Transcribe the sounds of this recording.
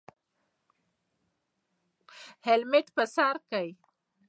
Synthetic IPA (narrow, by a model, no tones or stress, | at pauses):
helmɪʈpəsɑɾkaj